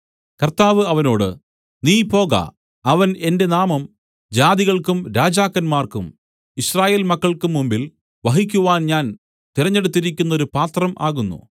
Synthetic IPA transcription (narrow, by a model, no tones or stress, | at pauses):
kɐrt̪aːʋɨɐʋɐno̞ːɽɨ̰ | niːpo̞ːɣɐ̰ | ɐʋɐne̞nde̞naːmɐm | d͡ʑaːðiɣɐɭkumɾaːd͡ʑaːkːɐnmaːrkṵm | iɕraːje̞ːlmɐkːɐɭkumːumbil | ʋɐɦikʲːuʋaːnɲaːn | t̪iɾɐɲːe̞ɽut̪ːiɾikʲːunːɐo̞ɾupaːt̪rɐmʔaːɣunːṵ